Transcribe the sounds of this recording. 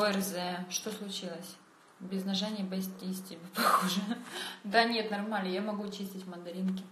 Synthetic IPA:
vəɛrzɛʂt̪oslˠʊt͡ɕilˠəsʲ | bʲɪznɐʐanʲɪjəbɐsʲt̪ʲisʲtʲɪbʲepɐxoʐɨd̪anʲet̪nɐrmalʲnəjamɐɡut͡ɕisʲtʲɪtʲmənd̪ɐɾʲinkʲɪ

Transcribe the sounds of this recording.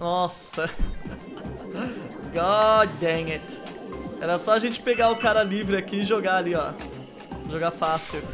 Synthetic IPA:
nɔsɐ | ɡɔd̪eŋɪt̪ | ɛɾɐsɔɐʒẽnt͡ʃɪ̥peɡaʊkaɾɐlivɾɪakiɪʒoɡaːliɔ | ʒoɡafasʊ

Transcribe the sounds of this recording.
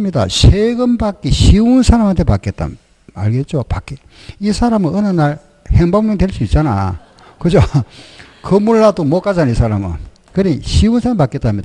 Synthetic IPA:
mɲida̰ɕʰeɡɯmbak͈iɕiunsʰaɾamɦant̪ʰe̞pak͈e̞t̚t͈a̰ | aɭɡet̚t͡ɕ͈opak͈e | isʰaɾamɯnɯnanːaɭ | heŋbaŋɲeŋdwe̞ɭs͈uit̚t͡ɕ͈ana̰ | kɯd͡ʑo | kɯmuɭːadomok͈ad͡ʑanisʰaɾamɯ̰n | kɯɾiɕʰiunsʰaɾampake̞t͈amɲida

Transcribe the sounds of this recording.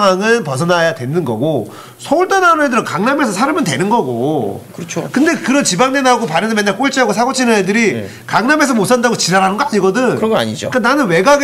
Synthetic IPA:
ŋwaŋɯnpʌs̬ʰʌnajatwe̞nɯnɡʌɡo | sʰʌuɭt͈ananɯedɯɾʌkaŋname̞sʰʌsʰaɾɯmɯnt̬e̞nɯnɡʌɡo̰kɯʌt͡ɕʰokɯnde̞kɯɾʌnt͡ɕibaŋdenaɡopaɾɯndɯmenːaɭk͈oɭt͡ɕ͈iɦaɡosʰaɡot͡ɕʰinʌedɯɾi | kaŋname̞s̬ʰʌmosʰandaɡot͡ɕiɾaɾɦanɯnɡʌaɲiɡʌdɯnɯʌŋɡʌa̰ɲid͡ʑo̰k͈ananɯnwe̞ɡaɡ

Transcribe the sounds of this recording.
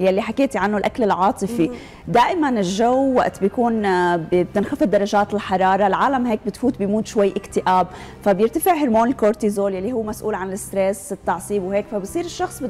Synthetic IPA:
jalːiħakeːt̪iʕanːolʔaklɪlʕɑːt̪ˤɨfi | d̪aːʔɪmanɪlʒawːa̰ʔt̪bjkuːnbbt̪ɪnxafɪd̪ɑɾˤɑʒaːt̪ɪlħɑɾˤɑːɾˤɑlʕaːlamɦeːk̚bɪt̪fuːt̪̚bɪjmuːt̪ʃwajːʔɪkt̪ɪʔaːb | fabjɪɾt̪afɪʕɦɪɾmoːnɪlkoɾt̪izoːljalːiɦuːmasʔuːlʕanɪlɪst̪ɾesɪt̪ːɑʕsˤiːbwheːkfabɪsˤiːɾɪʃːɑxsˤb

